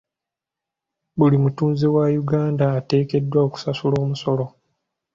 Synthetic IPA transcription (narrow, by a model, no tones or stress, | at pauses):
βulimutuːnzewajuɡaːndaːte̞ːke̞dːwaoku̥sasulo̞ːmuso̞lo̞